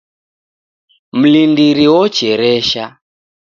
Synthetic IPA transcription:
m̩lindiɾiwɔt͡ʃɛɾɛʃa

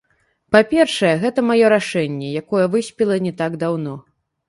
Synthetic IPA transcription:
papʲɛrʂɐjɛɣɛt̪ɐmajɔɾaʂɛnʲːɛjakɔjɛvɨsʲpʲilˠɐnʲɛt̪aɡd̪awn̪ɔ

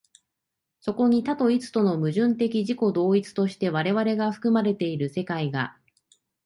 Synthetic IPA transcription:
so̞ko̞ɲ̟it̪at̪o̞it͡sɨ̥t̪o̞no̞mɯ̟ʑɨ̃nt̪e̞kʲiʑiko̞d̪o̞ːit͡sɨ̥t̪o̞ɕi̥t̪e̞β̞aɾe̞βaɾe̞ɡaɸɯ̥kɯ̟maɾe̞t̪e̞iɾɯ̟se̞kaiɡa̰

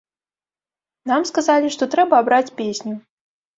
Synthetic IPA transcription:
namskazalʲiʂt̪ɔt̪ɾɛbɐːbɾat͡sʲpʲesʲnʲu

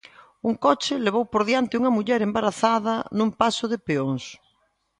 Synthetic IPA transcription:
uŋkɔt͡ʃɪleβowpoɾðjant̪ɪuŋɐmuʎɛɾembaɾaθaðɐnũmpasʊðɪpeoŋs

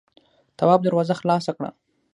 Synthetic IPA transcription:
t̪awɑb̚d̪aɾwazaxlɑsakɽa̰

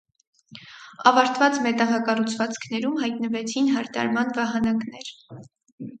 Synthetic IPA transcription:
ɑvɑɾt̪vɑt͡smɛt̪ɑʁɑkɑrut͡sʰvɑt͡skʰnɛɾumɦɑjt̪nəvɛt͡sʰinɦɑɾt̪ɑ̰ɾmɑnvɑɦɑnɑknɛɾ

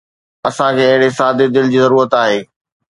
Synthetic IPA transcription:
ɐsãkʰeːɐɦɪɽesaːd̪ɪd̪ɪld͡ʑiːzɐɾuːɾət̪aːɦeː

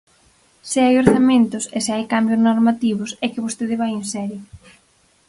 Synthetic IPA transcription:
sɪajoɾθamẽnt̪ʊsesɪajkambjʊznoɾmat̪iβʊsɛkɪβost̪eðɪβajensɛɾjʊ

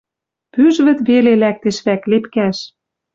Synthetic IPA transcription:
pyʒβɘ̆t̪βelelæk̚t̪ĕʃβæklepkæʃ

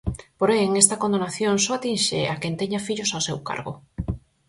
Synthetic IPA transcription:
poɾeŋest̪ɐkond̪onaθjoŋsoat̪inʃḛʔakent̪eɲafiʎʊsawsewka̰ɾɣo̰

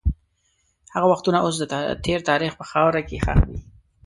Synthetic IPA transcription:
haɣawaxt̪unaʔos̬d̪ət̪ʰeɾt̪ɑɾixpəxɑwɾakexa̰xwḭ

